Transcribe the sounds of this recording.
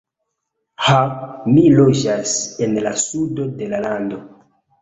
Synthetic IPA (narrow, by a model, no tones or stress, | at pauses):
hamilo̞d͡ʒase̞nlasudo̞de̞lalando̞